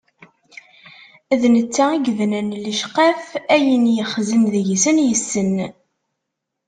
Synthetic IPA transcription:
ðnət͡sːæiɡðnənləʃqɑfæjənjəχzənðʝsənjəsːən

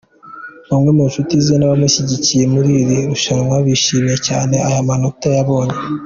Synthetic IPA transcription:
omwemunʃutizinaβamiʃiɟicije̞muɾiɾiɾuʃamwaβiʃiːmiecaːne̞ajamanotajaβo̞ːɲe

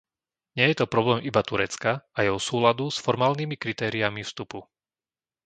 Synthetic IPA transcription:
ɲɪɛjɛt̪ɔpɾɔblɛːmʔibat̪uɾɛt͡skaajɛɔsuːlad̪usfɔɾmaːlnimikɾit̪ɛːɾiamifst̪upu

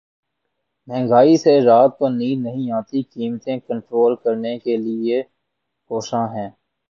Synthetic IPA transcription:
mɛ̃ːŋɡaːiseɾaːt̪̚pəɾniːɾnɐɦĩaːt̪ikiːmt̪ẽkə̃ɳʈɾoːlkɐɾnekelɪe | koːʃãɦɛ̃ː

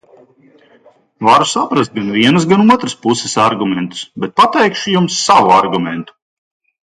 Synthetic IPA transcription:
vaɾusapɾast̪̚ɡanviɛnɐs̬ɡanuɔt̪ɾɨspusɪ̥saɾɡumʲɛnt̪u̥sbɛt̪̚pat̪ɛjkʃujumsːavuaɾɡumɛ̰nt̪u̥

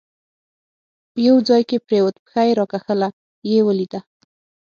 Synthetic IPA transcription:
pəjawd͡zɑjkepɾewət̪pə̥xajɾɑkaxəla | jewəlid̪a

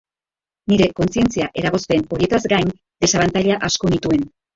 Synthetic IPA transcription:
niɾe̞ko̞nsie̞nt͡siaʔe̞ɾaɣ̞o̞sp̪eːno̞ɾie̞t̪azɡajn | d̪e̞saβant̪aʎaʔasko̞nit̪ue̞n

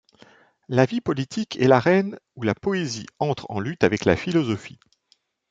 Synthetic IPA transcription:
lavipɔlit̪ʰikʰɛlaʁɛnulapɔeziɑ̃t̪χɑ̰̃lyt̪avɛkla̰filɔzɔfi

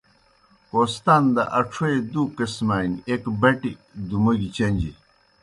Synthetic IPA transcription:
kost̪and̪ɐ̰ʔɐʈ͡ʂʰoed̪ukɐsmaːnekbɐʈid̪umɐɡit͡ɕɐɲd͡ʑḭ

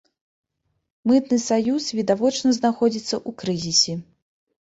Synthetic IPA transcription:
mɨt̪nɨsajusvʲid̪avɔt͡ʂnɐznaxɔd͡zʲit̪sːɐʔukɾɨzʲisʲɛ

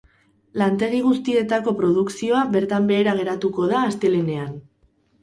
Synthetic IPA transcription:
lant̪e̞ɣ̞iɣ̞ust̪ie̞t̪ako̞pɾo̞ð̞uksio̞aβe̞ɾt̪ambe̞ːɾaɣ̞e̞ɾat̪uko̞ðaːst̪e̞le̞ne̞an

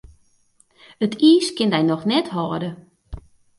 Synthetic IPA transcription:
ətiːskɪndɛjnɔxnɛthɔːdə

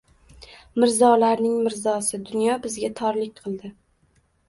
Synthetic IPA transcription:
mɪɾzɒlaɾnɪŋmɪɾzɒsɪd̪ʊnjɒbɪzɡʲat̪ʰɒɾlɪk̚ʲqʰɨlˠd̪ɪ

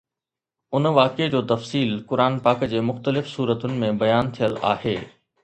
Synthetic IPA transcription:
ʊnʋaːked͡ʑoːt̪ɐfsiːlkʊɾaːnpaːkd͡ʑeːmʊxt̪əlɪfsuːɾət̪ʊnɪ̆mẽbɐjaːnt̪ʰijəla̰ːheː

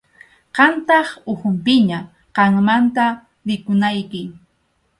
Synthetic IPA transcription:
qɑnt̪ɑχʊhʊmpɪɲa | qɑŋmant̪a | ɾɪkʊnajkɪ

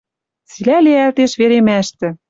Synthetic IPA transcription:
t͡silæleælt̪eʃβeɾemæʃt̪ɘ̆

